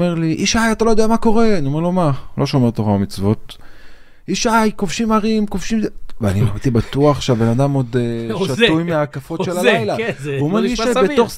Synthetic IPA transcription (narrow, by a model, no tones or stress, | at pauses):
meʁliʔiʃajat̪alojd̪eamako̞ʁe̞aniomeʁlo̞malo̞ʃo̞me̞ʁt̪oʁaamit͡svo̞t̪̚ | iʃajkofʃimaʁimkofʃimvea̰nima̰it̪ibatuaχʃeabe̞nad̪amo̞d̪ʃatujmeakafotʃelalajlavumaɡiʃabet̪oχ